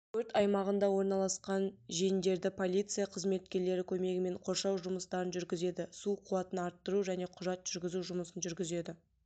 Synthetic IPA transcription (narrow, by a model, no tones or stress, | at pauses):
t̪ʰɵɾt̪ɑjmɑʁənd̪ɑwo̞ɾnɑlˠɑsqɑnʒejnd̪e̞ɾd̪ɪpʰo̞lʲijt̪sɨjaqʰəzme̞t̪̚kʲe̞ɾle̞ɾɪkʲʰɵme̞ɡʲɪme̞ɴqʰo̞ɾʃɑwʒʊməst̪ɑɾənʒʏɾɡʲɪze̞d̪ɪsuqʰuɑt̪ənɑɾt̪ːəɾuʒæne̞qʰʊʒɑt̪ʒ̥ʏɾɡʲɪzuʒʊməsənʒʏɾɡʲɪze̞d̪ɪ